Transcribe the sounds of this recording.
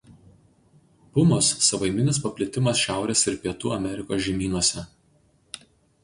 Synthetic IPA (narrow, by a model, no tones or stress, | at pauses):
pʊmosːɐʋɐɪmʲɪnʲɪs̬pɐpʲlʲɪt̪ʲɪmɐsʃʲæˑʊɾʲeːsɪɾpʲiɛt̪uːɐmʲɛɾʲɪkoːsʒʲiɛmʲiːnuɔsʲɛ